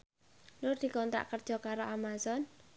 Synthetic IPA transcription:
nʊrd̪̥i̤kɔnt̪ɾa̰ʔkərd̥ʒ̥ɔ̤kaɾoʔamazɔn

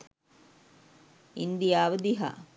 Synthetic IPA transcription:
ind̪ijaːʋəd̪iɦa̰

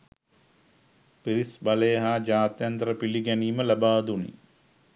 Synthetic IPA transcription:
piɾisbaləjəɦaːd͡ʒaːt̪jant̪əɾəpiliɡæniːməlabaːd̪unḭ

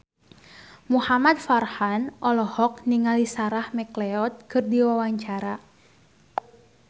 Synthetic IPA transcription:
muhamad̪farhanʔɔlɔhɔk̚niŋalisaɾahmɛklɛɔt̪̚kɨrdiwawaɲt͡ʃaɾa

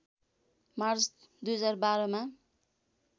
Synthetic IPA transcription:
mart͡s | d̪ujʌd͡zarbaɾʌma

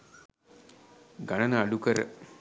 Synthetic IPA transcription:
ɡanənəːɖukəɾə̰

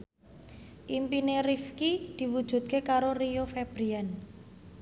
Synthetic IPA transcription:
ʔimpinerifkid̪̥i̤wud̥ʒ̥ṳt̪̚kekaɾoriofɛb̥ɾian

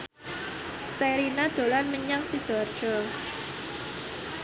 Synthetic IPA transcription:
seɾinad̪̥o̤lanməɲaŋsid̪̥ɔ̤rd̥ʒ̥ɔ

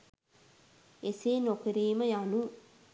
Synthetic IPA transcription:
eseːnokəɾiːməjanu

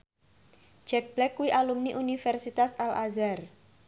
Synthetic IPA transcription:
d͡ʒ̥ɛk̚b̥lɛkːuwiʔalumniʔunifɛrsit̪asalʔazar

